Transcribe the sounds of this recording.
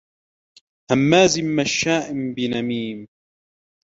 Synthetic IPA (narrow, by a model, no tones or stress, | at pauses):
hamːaːzɪmːaʃːaːʔɪmbɪnamiːm